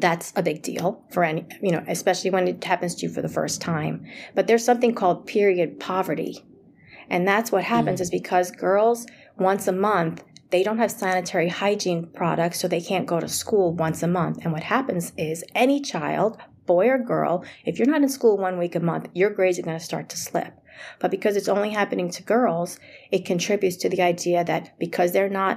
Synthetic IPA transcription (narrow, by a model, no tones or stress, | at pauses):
ðætsəbɪɡ̚dḭlˠfə˞ɛnijɨñoʊʔɨspɛʃl̩ˠiwɨ̃nɨt̚hæpɨ̃nz̥tʰɨɨfə̰˞ðəfɜ̰˞stʰãɪ̃mb̥ʌt̪̚ðə˞z̥sʌ̃mθɪ̃ŋkʰɔlˠd̚pʰɪɹiɨd̚pʰɑvə˞ɾḭ | ʔɨ̃nðætswʌt̚hæpɨ̃nzɨzbɨkʰʌzɡɜ˞lˠz | wʌ̃nsəmʌ̃nθðeɪɾõʊ̃nt̚hɨv̥sæñɨtʰɛɹihaɪd͡ʒĩnpʰɹ̥ɑɾɨk̚tsoʊðeɪkʰæ̃nɡ̥oʊɾɨ̰skulˠwʌ̃nsɨmʌ̃nθɨ̃nwʌt̚hæpɨ̃nzɪzɛñit͡ʃʰaɪlˠd̚b̥ɔɪə˞ɡɜ̰˞lˠɨfjə˞nəɾɨ̃nskulˠwʌ̃nwikɨmʌ̃nθjə˞ɡɹeɪzə˞ɡʌnɨstɑ̰ɹtʰə̥slɪ̰p̚b̥ʌt̚b̥ɨkʰʌzɨtsõʊ̃nliɦæpɨnɪ̃ŋtʰɨɡɜ˞lˠz̥ɨt̚kʰɨ̃ntʰɹ̥ɪbjʉtstʰɨðiaɪdiɨðɨt̚b̥ɨkʰʌzðə˞nət̚